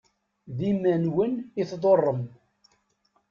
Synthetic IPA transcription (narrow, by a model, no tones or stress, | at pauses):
ðimænwəniθðˤorˤːəm